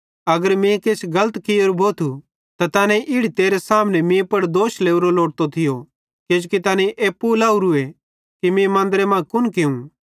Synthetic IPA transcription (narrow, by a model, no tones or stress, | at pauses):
ɐɡəɾmẽkeːt͡ʃʰɡɐlət̪kɪjoːɾubʱoːt̪ʰu | t̪at̪aːnɛ̃ʔɪɽ̤it̪eːɾɛsaːmnɛmẽpɐɽd̪oːʃleːuɾoloːʈt̪ot̪ʰɪjo | keːd͡ʒukit̪aːnẽʔeːpːulaːuɾue | kimẽmɐ̃ːnd̪əɾɛmãkʊnkeũ